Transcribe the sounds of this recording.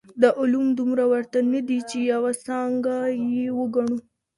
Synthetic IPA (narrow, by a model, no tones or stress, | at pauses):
d̪əʔʊlumd̪umɾawaɾt̪anad̪it͡ʃejawasɑŋɡajewəɡaɳ̃u